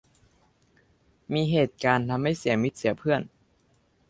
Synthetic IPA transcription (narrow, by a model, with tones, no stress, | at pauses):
miː˧ɦeː˨˩t̪̚kaː˧nt̪ʰa˧mːa˥˩jsi˩˦ɐmi˦˥t̪̚si˩˦ɐpʰɯ˥˩ən